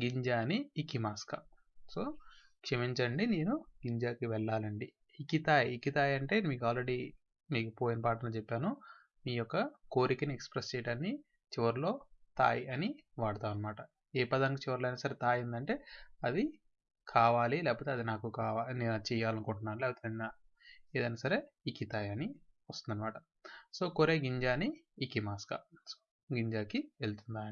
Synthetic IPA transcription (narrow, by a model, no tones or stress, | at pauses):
ɡiɲd͡ʒaːniːkimaːskɐ̰ | soː | kʂɐmiɲt͡ʃɐɳɖine̞ːnuɡiɲd͡ʒaːkiʋɛɭːaːlɐɳɖiː | kit̪aːjikit̪aːjɐɳʈe̞ːmiːkuaːlɾeɽiː | miːkupo̞ːjinɐpaːʈɐnɐːt͡ʃɛpːaːnu | miːjɔkːɐko̞ːɾikɐniekspɾest͡ʃejiɽaːnːi | t͡ʃiʋɐɾlo̞ːt̪a̰ːjɐniʋaːɽɐt̪aːʋɐnɐmaːʈɐ | ɛːpɐd̪aːnkit͡ʃiʋɐɾuloɐjnaːsɐɾet̪aːjɐnd̪ɐɳʈe̞ːɐd̪i | kʰaːʋaːlilɛːpoːt̪eɐd̪inaːkukaːʋaːlinet͡ʃɛːjaːlɐnkoɳʈunːaːɾlɛːpot̪eaː | eːd̪ɐjnaːsɐɾe̞ː | ikit̪aːjɐni | ʋɐst̪und̪ɐnɐmaːʈɐ̥ | so̞ːkoɾeːɡiɲd͡ʒaːniːkimaːskɐ̰so | ɡiɲd͡ʒaːkielt̪und̪aːi